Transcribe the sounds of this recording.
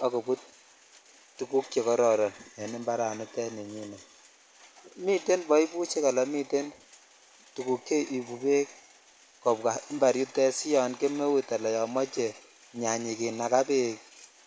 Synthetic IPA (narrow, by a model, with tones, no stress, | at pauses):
ɔ˨ko˨bu˦t̚ | tːu˨ku˦kje˨kɔ˦ɾɔ˨ɾɔ˨njɛ˨ni˦mba˦ɾa˨nu˦tɛ˦ne˨ɲi˦nɛ˨ | mi˦te˦nbɔ˦i˦bu˦t͡ʃe˦ka˨la˨˦mi˦te˦n | tu˨ku˨˦kːe˦ʔi˨bu˨be˦k̚ | kɔ˨pka˨˦mba˨ɾju˦tɛ˦si˦jɔ˨nke˦me˦wu˦ta˨lɛ˨jɔ˨mɔ˦t͡ʃe˨ | ɲa˨ɲi˨ki˨na˨ka˦pe˦k